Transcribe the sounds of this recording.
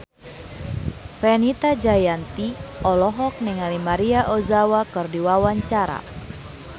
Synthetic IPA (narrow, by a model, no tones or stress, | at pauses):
fɛnit̪ad͡ʒajant̪iɔlɔɦɔk̚nɛŋalimaɾiaʔɔzawakɨrdiwawaɲt͡ʃaɾa̰